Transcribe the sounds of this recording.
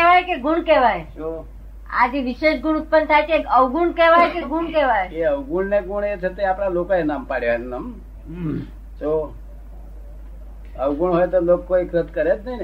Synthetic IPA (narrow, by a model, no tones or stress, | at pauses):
keʋajkeɡuɳkeʋajd͡ʒo | a̰d͡ʒeʋiʃeʃɡuɽ̃ut̪̚pənt̪ʰajt͡ʃʰekəʋɡuɳkeʋajkeɡuɳkeʋajeeəʋɡuɳneɡuɳet͡ʃʰet̪eapɽ̃alokaenampaɽjaennəm | t͡ʃo | əʋɡuɳɦojt̪olokːoiɡɾət̪kəɾet̪nəɦin